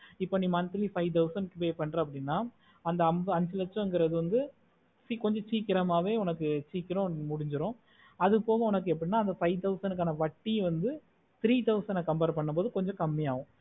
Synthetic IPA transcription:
ɪpːoːniːmɐnt̪ːɪlifɐɪt̪ɐʊsɐnkɯpeːjpɐɳːɾɐɐp̬ːɐɽɪnːaː | ɐnd̪ɐɐmbɯɐnsɪlɐt͡ʃːɔ̃ɛŋɡɪɾɐðɯʋɐnd̪ɯ | sikɔɲd͡ʒɔ̃t͡ʃiːkːɪɾɐmaːʋeːʊnɐkːɯt͡ʃiːkːɪɾʊ̃mʊɽɪɲd͡ʒɪɾʊ̃ | ɐðɯpoːɣɐ̃ʊnɐk̬ːɯɛp̬ːɐɽɪnːaːɐnd̪ɐfɐɪt̪ɐʊsɐnɯk̬ːaːnɐʋɐʈːiʋɐnd̪ɯ | t̪ɪɾiːt̪ɐʊsɛnɐkɐmbeɾpɐɳːɯmpoːðɯkɔɲd͡ʒɔ̃kɐmːijaːʋʊ̃

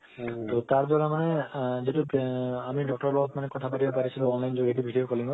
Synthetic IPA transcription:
t̪ot̪aɾbɔlamaned͡ʒeʈuamiɖɔk̚ʈɔɾbɔɔt̪manekɔt̪ʰapaʈibapaɾisʰiloɔnlajnd͡ʒoɡeʈibʱiɖijokɔliŋɡɔ

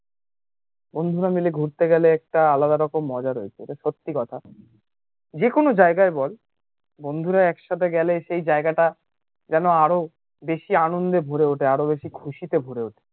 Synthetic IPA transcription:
bond̪ʱuɾamileɡʱuɾt̪eɡɛleɛk̚ʈaalad̪aɾɔkomːɔd͡ʑaɾoet͡ɕʰeotaʃot̪ːikɔt̪ʰa | d͡ʑekonod͡ʑaeɡaebɔl | bond̪ʱuɾaɛkʃat̪ʰeɡɛleʃejd͡ʑaeɡaʈa | d͡ʑɛnoaɾo | beʃianond̪ebʱoɾeoʈeaɾobeʃikʰuʃit̪ebʱoɾeoʈʰe̥

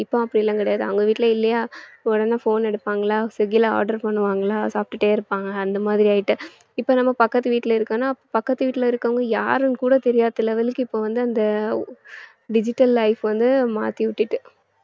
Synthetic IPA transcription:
ɪpːoɐpːɐɽɪlːaːŋkɐɽɐjaːðɯɐ̰ʋɐŋɡɐʋiːʈːɪlɐɪlːɐjaːɔɽɐnːɐfoːnɛɽɯpːaːŋɡɐlaːsɛɡɪla̰ːɾɖɐɾpɐɳːɯʋaːŋɡɐlaːsaːp̚ʈɯʈːeːɪɾɯpːaːŋɡɐːnd̪ɐmaːðɪɾijaːjɪʈːɯ | ɪpːoːnɐmːɐpɐkːɐt̪ːɯʋiːʈːɪlɐɪɾɯkːɐnːaːɐpːoːpɐkːɐt̪ːɯʋiːʈːɪlɪɾɯkːɐʋŋɡɐjaːɾɯnkuːɽɐt̪ɛɾɪjaːt̪ːɪlɐʋɐlɯkːɯɪpːoːʋɐnd̪ɯɐnd̪ɐ | ɖɪd͡ʒɪʈːɐlːɐɪfʋɐnd̪ɯma̰ːt̪iʋɪʈːɪʈːɯ

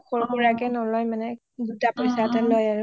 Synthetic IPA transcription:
xɔɹkuɹakɛnɔlɔjmanɛ | ɡutapɔjsatalɔjaɹʊ

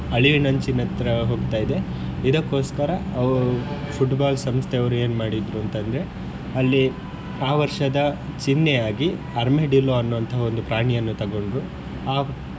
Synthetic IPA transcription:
ɐɭiʋinɐnt͡ʃinːɐt̪ɾɐɦoːɡt̪aːjid̪e̞ | id̪ɐkːo̞ːskɐɾɐɐʋfuʈbaːlsɐmst̪ʰɛɐʋɐɾue̞ːnmaːɽid̪ɾuɐnt̪ɐnd̪ɾe̞ | ɐlːi | aːʋɐɾʂɐd̪ɐt͡ʃinːeaːɡi | ɐɾmeɖiloɐnːuʋɐnt̪ɐɦɐo̞nd̪upɾaːɳijɐnːut̪ɐɡo̞ɳɖɾu | aː

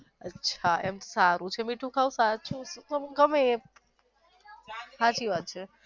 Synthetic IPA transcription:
ətːʃʰaemt̪osaɾũt͡ʃʰemiʈʰũkʰausat͡ʃũst̪əmɡəme | sat͡ʃiʋad̪̚t͡ʃʰe

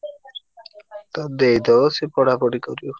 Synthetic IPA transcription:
t̪ɔd̪ejd̪ɔsipɔɽapɔɽikɔɾjo

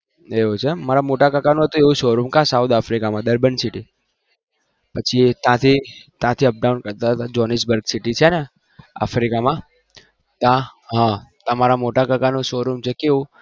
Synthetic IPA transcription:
eot͡ʃʰemaɾamoʈakəkanũɦət̪ũeũʃoɾumkãsawt̪afɾikamãd̪əɾbənsiʈi | pət͡ʃʰit̪jãt̪ʰit̪jãt̪ʰiəp̚ɖaunkəɾt̪aɦət̪ad͡ʒɔnis̬bəɾɡsiʈit͡ʃʰɛne | a̰fɾikamã | t̪ãɦãt̪ãmaɾamoʈakəkanũʃoɾumt͡ʃʰekeũ

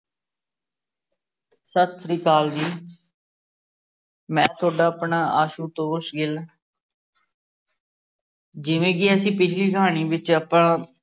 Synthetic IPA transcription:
sət̪sɾiːkaːld̪iː | mɛ̃ːt̪ʰʊaːɖaːəpɳaːaːʃuːt̪oːsɡɪl | d͡ʒɪʋẽːɡiəsĩːpɪt͡ʃʰliːkəɦaːɳiːbɪt͡ʃəpãː

